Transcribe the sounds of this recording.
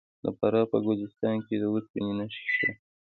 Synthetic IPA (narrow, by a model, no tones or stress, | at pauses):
d̪əpaɾɑpəɡʊzɪst̪ɑnked̪əwut̪̚pininaʃʃa